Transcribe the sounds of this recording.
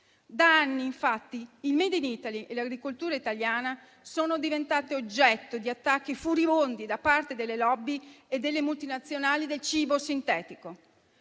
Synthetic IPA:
d̪aanːiːɱfat̪ːiːlmɛd̪iniːt̪aliʔelaɡɾikolt̪uːɾait̪aljaːna | soːnod̪ivent̪aːt̪eod͡ʒːɛt̪ːod̪iat̪ːak̟ːifuɾibond̪id̪apːart̪ed̪elːelɔbːied̪ːelːemult̪inat̪sːjonaːlid̪elt͡ʃiːbosint̪ɛːt̪iko

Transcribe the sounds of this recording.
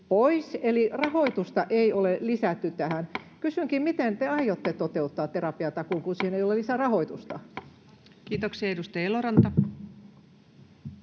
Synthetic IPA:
poiselirɑhoit̪ust̪ɑʔeiolelisæt̪ːyt̪æhænkysyŋkimmit̪ent̪eɑijot̪ːet̪ot̪eut̪ːɑːt̪t̪ːerɑpiɑt̪ɑkuŋkunsiːheneiolelisærɑhoit̪ust̪ɑ | kiːt̪oksiɑedust̪ɑɑeloɾɑnt̪ɑ

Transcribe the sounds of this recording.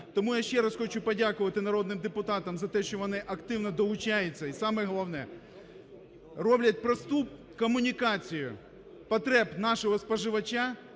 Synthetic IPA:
t̪ɔmujaʃt͡ʃɛɾɐsxɔt͡ʃʊpɐdʲakʊʋɐt̪ɪnɐɾɔd̪nɪmd̪ɪpʊt̪ɑt̪ɐmzɐt̪ɛʃt͡ʃɔʋɔnɪʔɐkt̪ɪwnɔd̪ɔlˠʊt͡ʃajʊt͡sʲːɐisɑmɛɦɔlˠɐʋnɛ | rɔblʲɐt̚ʲpɾɐst̪u | kɔmʊnʲikat͡sʲijʊ | pɐt̪ɾɛpnɑʃɔɦɔspɐʒɪʋɐt͡ʃa

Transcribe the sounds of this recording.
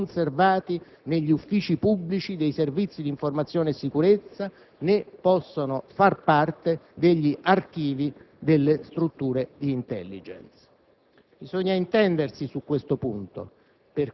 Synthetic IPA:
nservaːt̪i | neʎːiufːiːt͡ʃipubːlit͡ʃid̪ejservit̪sːid̪iɱformat̪sːjoːnesːikuɾet̪sːa | nepːɔsːonofarpart̪ed̪eʎːiʔark̟iːvi | d̪elːest̪ɾut̪ːuːɾed̪iːnt̪ɛ̰lːid͡ʒɛ̰nt̪s | bizɔɲːaint̪ɛnd̪ersisukːwest̪opunt̪o̰ | per

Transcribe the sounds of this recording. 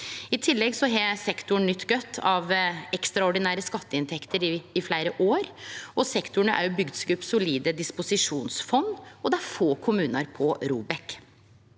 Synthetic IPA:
ɪt̪ʰɪlːɛɡsɔɦɛsɛkt̪ʊɳnʏt̪ːɡœt̪ʰːɑʋɛkst̪ɾɑʊɖɪnæːɾəskɑt̪ːəɪnt̪ʰɛkt̪əɾɪːflæɪɾəʔoːɾɔsɛkt̪ʊɳəʔæ̰ɾjʊbʏɡd̪sɡʉpːsʊliːd̪əd̪ɪspʊsɪʂuːnsfɔnːɔd̪ɛæɾfoːkʰʊmʉːnɑɾpʰɔɾuːbɛk

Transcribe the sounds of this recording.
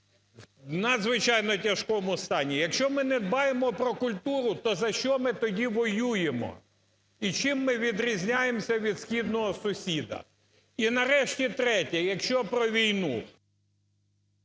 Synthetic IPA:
nɐd̪zʋɪt͡ʃɑjnɔtʲɐʃkɔmʊst̪ɑnʲijɐkʃt͡ʃɔmɪnɛd̪̚bɑjemɔpɾɔkʊlʲt̪uɾʊt̪ɔzɐʃt͡ʃɔmɪt̪ɔdʲiʋɔjujemɔ̰ | it͡ʃɪmːɪʋʲid̪ɾʲizʲnʲajemsʲɐʋʲid̪sxʲid̪nɔɦɔsʊsʲid̪ɐ̰ | inɐɾɛʃtʲit̪ɾɛtʲɛjɐkʃt͡ʃɔpɾɔʋʲijnu

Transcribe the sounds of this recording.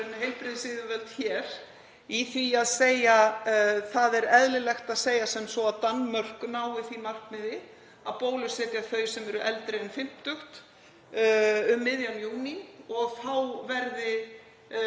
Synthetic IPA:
nɦejlpɾɪðsɪðʏvɛlt̪çɛːɾ̥ | iθviaðseːjaθaðɛɾɛðlɪlɛxt̪aðseːjasɛmsɔaðt̪anːmœr̥kʏnaːwɪθimar̥kmɪðɪ | aðpoːwlʏsɛːt̪jaθœːɥsɛmɛɾʏʔɛlt̪ɾeɛnfɪm̥t̪t̪ʏxt̪ | ʏmːɪðjanjuːniɔɣθawvɛɾðɪ

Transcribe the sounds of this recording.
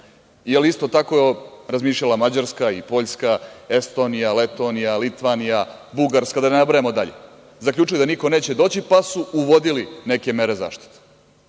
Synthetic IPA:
ielist̪o̞t̪ako̞ɾazmiːʃʎalamad͡ʑaɾskaipo̞ʎskae̞st̪o̞nijalet̪o̞nijalit̪ʋanijabuɡaɾskad̪anenabɾajemo̞d̪aʎḛ | zakʎut͡ʃiled̪aniko̞ne̞ːt͡ɕed̪o̞ːt͡ɕipasuuʋo̞d̪iline̞ke̞me̞ɾe̞za̰ːʃt̪i̥t̪e̥

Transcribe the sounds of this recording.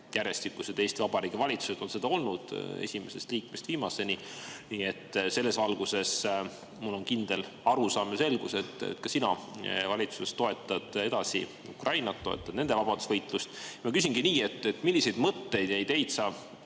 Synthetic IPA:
jæɾe̞st̪ikːˑuse̞d̪e̞ːst̪ivɑb̥ɑɾiːɡ̥ivɑlʲit̪su̥se̞d̪̥o̞nse̞d̪ɑo̞lnud̪̥e̞̰sʲime̞se̞st̪liːkme̞st̪viːmɑse̞niniːe̞t̪ːˑse̞lːe̞svɑlɡ̥use̞s | mulːo̞nkind̪̥e̞l | ɑɾusɑːmese̞lɡ̥use̞t̪ˑːḛt̪ːkɑsinɑvɑlʲit̪susest̪o̞e̞t̪ˑːɑd̪̥e̞d̪̥ɑsḭ | ukrɑjnɑt̪ːo̞e̞̰t̪ːˑɑd̪ne̞nd̪e̞vɑb̥ɑd̪̥usvɤjt̪ˑlust̪mɑkys̬ʲiŋɡiniːe̞t̪ːˑet̪ːˑmilːise̞jd̪mɤt̪ːe̞jd̪e̞jt̪e̞jt̪sɑːb

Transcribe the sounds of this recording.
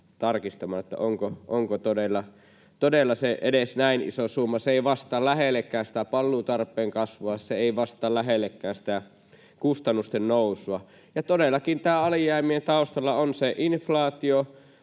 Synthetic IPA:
t̪ɑrkist̪ɑmɑːnet̪ːæ̰ʔoŋkoʔoŋkot̪odelːɑ | t̪odelːɑseʔedesnæinḭsosumːɑseeˑiʋɑst̪ɑːlæhelːˑekːˑæːnsi̥t̪æpɑlːuːt̪ɑrpːˑeːŋkɑsʋoɑseeˑiʋɑst̪ˑɑːlæɦelːekːæːnsi̥t̪æ | kust̪ɑnːust̪ennoˑusˑuɑ | jɑt̪odelːˑɑkint̪æːɑlijˑæˑimient̪ɑˑust̪ɑlːɑonseʔinflɑːt̪io

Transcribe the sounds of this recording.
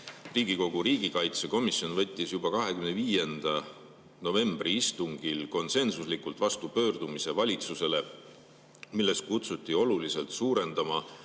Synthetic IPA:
riːɡ̥iko̞ɡ̥uɾiːɡikɑjt̪se̞ko̞misjo̞nvɤt̪ʲːisjub̥ɑkɑɦe̞kymneviːje̞nd̪̥ɑ | no̞ve̞mb̥riist̪uŋɡ̥ilko̞nse̞nsuslikult̪vɑst̪upø̞ːrd̪umise̞vɑlʲit̪suse̞le̞ | milːe̞st̪̚kut̪sut̪ʲːˑio̞luliselt̪suːɾe̞nd̪̥ɑmɑ

